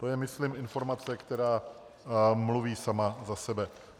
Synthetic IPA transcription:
t̪o̞jɛmɪslɪmʔɪnfo̞ɾmat͡sɛkt̪ɛɾaː | mluviːsamazasɛbɛ

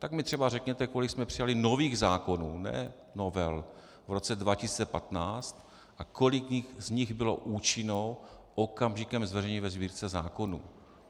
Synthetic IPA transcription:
t̪akmɪt̪r̥ɛbarɛkɲɛt̪ɛko̞lɪksmɛpr̥ɪjalɪno̞viːɣzaːko̞nuːnɛ̰ː | novɛl | vɾo̞t͡sɛdvacɪsi̥ːt͡sɛpat̪naːt͡st̪ | ʔako̞lɪkzɲɪɣbɪlo̞̰ʔuːt͡ʃɪno̞wʔokamʒɪkɛmzvɛrɛɲivɛzbiːɾt͡sɛzaːko̞nṵː

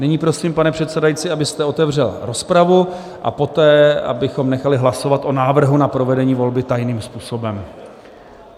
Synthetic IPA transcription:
nɪɲiːpɾo̞siːmpanɛpr̝̥ɛt̪sɛdajit͡sɪabɪst̪ɛo̞t̪ɛvr̝ɛlɾo̞spɾavu | ʔa̰po̞t̪ɛːʔa̰bɪxo̞mnɛxalɪɦlaso̞vat̪ʔo̞naːvr̩ɦunapɾo̞vɛdɛɲiːvo̞lbɪt̪ajniːmspuːso̞bɛm

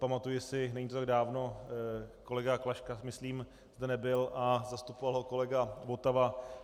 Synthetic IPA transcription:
pamat̪ujɪsɪnɛɲit̪ot̪aɡ̚daːvno̞ | ko̞lɛɡaklaʃkamɪsliːm | zdɛnɛbɪlʔazast̪upovalɦo̞ko̞lɛɡavot̪ava

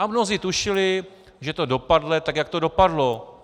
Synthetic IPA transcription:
amnoziːt̪uʃɪlɪ | ʒɛt̪odo̞padlɛt̪akjak̚t̪odo̞padlo̞

